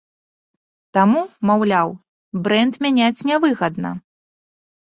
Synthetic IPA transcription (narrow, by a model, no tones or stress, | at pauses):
t̪amumawlʲaw | bɾɛnt̪mʲanʲat͡sʲnʲɛvɨɣɐd̪nɐ̰